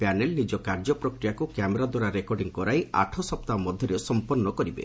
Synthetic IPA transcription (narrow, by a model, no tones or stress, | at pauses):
panelnid͡ʒɔkaɾd͡ʒɔpɾɔkɾijakukjameɾad̪waɾaɾekɔɾɖiŋkɔɾaja̰ʈʰɔsɔpt̪amɔd̪ʱjɔɾesɔmpɔrnːɔkɔɾibḛ